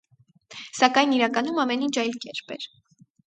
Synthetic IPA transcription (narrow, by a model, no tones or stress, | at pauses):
sɑkɑjniɾɑkɑnumɑmɛnint͡ʃʰɑjlkɛɾpɛɾ